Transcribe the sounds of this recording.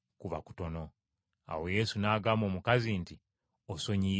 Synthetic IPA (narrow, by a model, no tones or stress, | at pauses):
kuβa̰ku̥to̞no̞ | a̰we̞je̞sunaːɡaːmo̞ːmukazinti | oso̞ɲi